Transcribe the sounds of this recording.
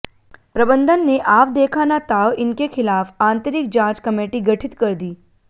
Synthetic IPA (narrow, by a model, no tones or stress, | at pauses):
pɾəbənd̪ʱənːeʔaːʋd̪ekʰanat̪aʋɪnkekʰɪlaːfãːnt̪əɾɪk̚d͡ʒãːt͡ʃkəmeːʈiɡəʈʰɪt̪kəɾd̪iː